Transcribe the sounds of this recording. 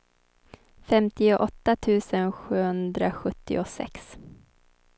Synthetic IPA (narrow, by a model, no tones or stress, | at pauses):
fɛmt̪ɪʊʔɔt̪ːat̪ʰʉ̟ːsənɧʉ̟ːhɵnd̪ɾaɧɵt̪ːɪ̰ʊsɛ̰ks